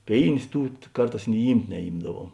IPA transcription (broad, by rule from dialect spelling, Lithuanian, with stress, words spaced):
ˈpʲeːɪnʲeːs ˈtuː ˈkɐrˌtɑːs nʲɪ ˈiːmʲtʲ nʲɛˈiːmdɐˌʋuɔm